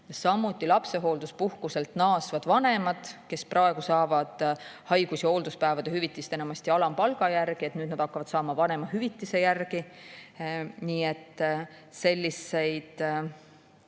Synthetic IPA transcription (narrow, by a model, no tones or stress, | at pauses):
sɑmːut̪ːˑilɑpse̞ɦo̞ːld̪̥uspuhkuse̞lt̪nɑːsvɑd̪̥vɑne̞mɑd̪̥ke̞sprɑe̞ɡ̥usɑːvɑd̪̥hɑjɡ̥usjɑo̞ːld̪̥uspæevɑd̪̥ehyvit̪ːˑist̪e̞nɑmɑsʲt̪iɑlɑmpɑlɡ̥ɑjærɡ̥iet̪nyːd̪nɑd̪̥ɑkːˑɑvɑt̪sɑːmɑvɑne̞mɑɦyvit̪ˑːise̞jærɡ̥i | niːet̪ː | se̞lʲːise̞jd̪̥